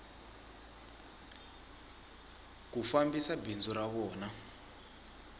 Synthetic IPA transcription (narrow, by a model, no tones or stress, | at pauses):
kufambisabʱind͡zuɾaβɔːna